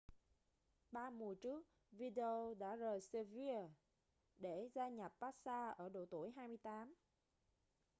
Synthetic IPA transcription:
ɓaː˧mu˨˩ət͡ɕɨ˦˥ək̚ | vi˧ɗe˧o˧ɗa̰ː˧˥zəː˨˩jse˧vi˧ə | ɗe˧˩zaː˧ɲa˨˩p̚paː˦˥t̚saː˧ʔəː˧˩ɗo̰˧˨˩t̪u˧˩əjɦaː˧jmɨ˧əjt̪aː˨˦m

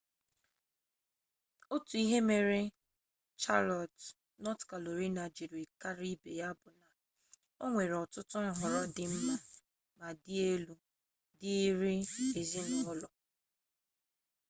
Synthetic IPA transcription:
o˦tu˨i˦ɦe˦me˨ɾɪ˦ | t͡ʃa˦lɔ˨t | nɔ˦tka˨lo˨ɾi˦na˨d͡ʒi˨ɾi˨ka˦ɾi˦be˨ja˦bʊ˨na˨ | o˦ŋʷe˨ɾɔ˨tʊ˦tʊ˦˨ɦʊ˨ɾɔ˦dɪ˦m̩˦ma˨ | ma˨dɪ˦e˦lu˦ | dɪ˦ɾi˦e˨zi˦n̩˨ʊ˦lɔ˨

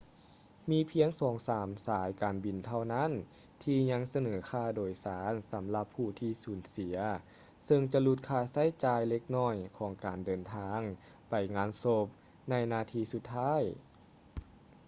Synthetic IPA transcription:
miː˧˥pʰi˧əŋsɔː˩˦ŋsaː˩˦msaː˨˩˦jkaː˨˩nbi˨˩nt̪ʰa˧˩wna˧˥˨n | t̪ʰiː˧ɲa˧˥ŋsa˧nɤː˩˦kʰaː˧˩doː˨˩jsaː˩˦nsa˩˦mla˧pʰːuː˧˩t̪ʰiː˧˩suː˩˦nsi˨˩˦ɐ | sɤ˧ŋt͡ɕa˧lu˧˩t̪̚kʰaː˧˩sa˧˥˨jt͡ɕaː˧jle˧k̚nɔː˧˥˩jkʰɔː˩˦ŋkaː˨˩ndɤː˨˩nt̪ʰaː˧ŋ | pa˨˩jŋaː˧˥nso˧p̚ | na˧˩jnaː˧˩t̪ʰiː˧su˧t̪ʰːaː˥˨j

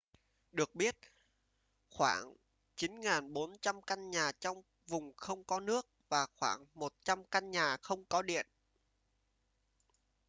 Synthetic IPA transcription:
ɗɨ˨˩ək̚ɓi˦˥ət̚ | xwa̰ː˧˩ŋ | t͡ɕi˨˦nŋaː˨˩nɓo˨˦nt͡ɕa˧mka˧nɲaː˨˩t͡ɕɔ˧wŋ͡m | vʊ˨˩ŋ͡mxə˧wŋ͡mkɔ˨˦nɨ˦˥ək̚vaː˨˩xwaː˧˩ŋmo˨˩t̚t͡ɕa˧mka˧nɲaː˨˩xə˧wŋ͡mkɔ˨˦ɗḭ˧˨ən

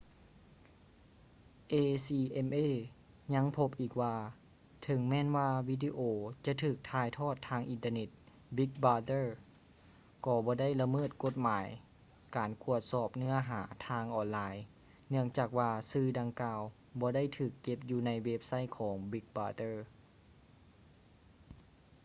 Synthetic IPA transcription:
ʔeː˧siː˧ʔe˧mʔeː˧˩ | ɲa˧˥˨ŋpʰo˧p̚ʔiː˨˩k̚waː˧ | t̪ʰɤ˨˦ŋmɛː˧˥˨nwaː˧wiː˧˥di˧ʔoː˧t͡ɕa˧˨t̪ʰɯː˨˩k̚t̪ʰaː˧˩jt̪ʰɔː˥˩t̪ʰːaː˧˨ŋʔi˨nt̪ə˧ne˧˩t̪̚ | bi˧˦k̚baː˧t̪ɤː˧˥˩ | kɔː˧˩bɔː˧˦da˥˩jla˧mɤː˧˥˩t̪̚ko˧˩t̪̚maː˨˩˦j | kaː˨˩nku˧˩ət̪̚sɔː˨˩p̚nɯ˧˥˩ɐɦaː˩˦t̪ʰaː˧ŋʔɔː˨˩nlaː˧j | nɯ˥˩əŋt͡ɕaː˨˩k̚waː˧sɯː˧da˧ŋkaː˧w | bɔː˧˦da˥˩jt̪ʰɯː˨˩kːe˧p̚juː˧na˧˥jwe˧˦˥p̚sa˧˥˩jkʰɔː˩˦ŋbi˧˦˥k̚baː˧t̪ɤː˧˥˩

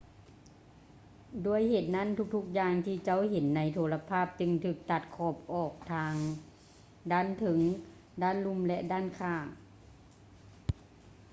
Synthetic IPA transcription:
du˧˩əjheː˨˩t̪̚na˥˨nt̪ʰu˧˥k̚t̪ʰu˧˥k̚jaː˧ŋt̪ʰiː˧˩t͡ɕa˧˥˩wɦe˨˦nːa˧˥jt̪ʰoː˧˥la˧pʰaː˥˩p̚t͡ɕɯ˧ŋt̪ʰɯː˧˩k̚t̪a˧˩t̪̚kʰɔː˧˩p̚ʔɔː˨˩k̚t̪ʰaː˧ŋ | daː˥˨nt̪ʰɯ˨˦ŋ | daː˥˩˨nlu˧˥˨mlɛ˧ʔdaː˥˨nkʰaː˧˩ŋ

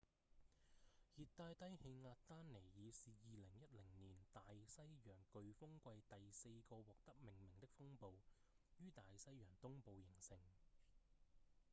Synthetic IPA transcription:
hiː˨˧t̚t̪ːaː˧jt̪ɐ˥jhe˧jŋaː˧t̚t̪aː˥nne˨˩jjiː˨˧siː˨jiː˨lɪ˨˩ŋjɐ˥t̚lɪ˨˩ŋniː˨˩nt̪aː˨jsɐ˥jjœː˨˩ŋkɵ˨˧ɥfʊ˥ŋkʷɐ˧jt̪ɐ˨jse˧jkɔː˧wɔː˨k̚t̪ɐ˥k̚mɪ˨˩ŋmɪ˨˩ŋt̪ɪ˥k̚fʊ˥ŋpo˨˧w | jyː˥t̪aː˨jsɐ˥jjœː˨˩ŋt̪ʊ˥ŋpo˨˧wjɪ˨˩ŋsɪ˧ŋ

